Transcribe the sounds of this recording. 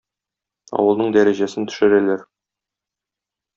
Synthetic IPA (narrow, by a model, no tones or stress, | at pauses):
ɒ̰wɤ̆lˠnɤɴd̪æɾæʑæsɘnt̪ɵ̥̆ʃɘ̆ɾælæɾ